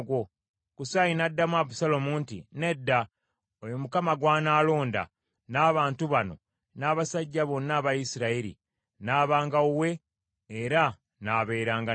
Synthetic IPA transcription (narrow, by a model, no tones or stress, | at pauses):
ɡwo | kusajinadːamwaβusalomuntḭne̞dːa | ojomukamaɡwaːnaːlo̞ːnda̰ | naːβaːntuβano̞̰ | naːβasaɟːaβo̞nːaːβajisiɾaiɾḭ | naːβaːŋɡauwe̞ː | ɾa | naβe̞ːɾaːŋɡa